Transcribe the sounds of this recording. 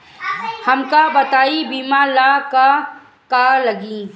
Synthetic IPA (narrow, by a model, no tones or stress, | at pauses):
hɐmkabət̪aːibiːmalaka | kaːləɡĩː